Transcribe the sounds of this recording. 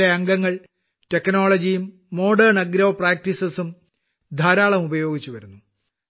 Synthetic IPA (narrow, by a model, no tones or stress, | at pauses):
eɐŋɡɐŋːɐɭ | te̞kno̞ːɭɐd͡ʑijumː | o̞ːɖɐrɳɐɡɾɐʋɐpraːk̚tisɐsum | d̪ʱaːɾaːɭɐmubɐjo̞ːɡit͡ɕːuʋɐɾunːu